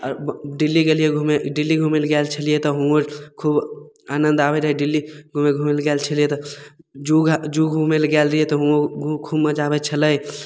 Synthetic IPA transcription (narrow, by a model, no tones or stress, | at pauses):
ɾɖilːiɡelijeɡʱumeɖilːiɡʱumelɡɛlt͡ʃʰəlijet̪ɔɦuokʰub | anənd̪abeɾɦɛɖilːiɡʱumeɡʱumelɡɛlt͡ʃʰəliet̪ɔd͡ʒuɡd͡ʒuɡʱumelɡɛlɾəɦiet̪ɔɦuoɡʱukʰubməd͡ʒabet͡ʃʰələj